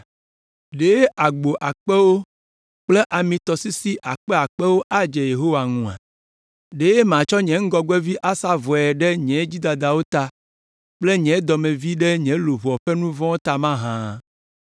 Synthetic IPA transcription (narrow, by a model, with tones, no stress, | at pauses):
ɖe˨˦e˦ʔa˨ɡ͡bo˨ʔa˨k͡pɛ˦wo˦ | k͡ple˦ʔa˨mĩ˨t̪ɔ˨si˦si˦ʔa˨k͡pɛ˦a˨k͡pɛ˦wo˦ʔa˦d͡ʒe˨je˨ɦo˦wa˨ŋũ˨a̰˨ | ɖe˨je˦mã˨t͡ʃɔ˦ɲɛ̃˨ŋ̩˦ɡɔ˦ɡwɛ˦vi˦ʔa˦sa˦vɔ˨ɛ˨ɖɛ˦ɲɛ̃˨˦d͡ʒi˦d̪a˨d̪a˨wo˦t̪a˨ | k͡ple˦ɲɛ̃˨˦d̪ɔ˨mẽ˨vi˦ɖɛ˦ɲɛ̃˨˦lo˨vɔ˨ɸe˦nũ˦vɔ̃˦o˦t̪a˨mã˦ɦã˦